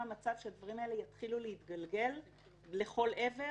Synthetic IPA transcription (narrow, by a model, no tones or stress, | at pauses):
amat͡savʃead̪vaʁimae̞lejat̪χiluleit̪ɡalɡe̞lː | e̞χo̞lʔe̞ve̞